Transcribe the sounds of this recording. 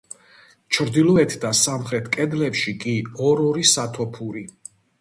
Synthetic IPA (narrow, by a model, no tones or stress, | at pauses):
t͡ʃʰɾd̪ilˠɔɛt̪ʰd̪asamχɾɛt̪ʰkʼɛd̪lɛpʃikʼiɔɾɔɾisat̪ʰɔpʰuɾi